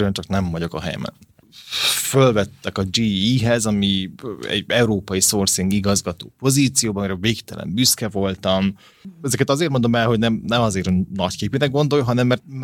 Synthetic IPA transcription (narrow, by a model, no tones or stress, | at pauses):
øɛnt͡ʃɒknɛɱvɒɟo̞kɒɦɛ̰jɛ̰mɛ̰n | følvɛt̪ːɛkɒd͡ʒiiːɦɛzɒmiɛ̰ɟɛuɾoːpɒjisorsiŋɡiɡɒzɡɒt̪o̰ːpo̞ziːt̪sijoːbɒmiɾɛveːkt̪ɛlɛ̰mbyskɛvo̞lt̪ɒm | ɛzɛkɛt̪ɒzeːrmo̞nd̪o̞mɛlɦo̞ɟnɛmnɛmɒzeːɾnɒckeːpinɛɡ̚ɡo̞nd̪o̞jɦɒnɛmːɛrt̪̚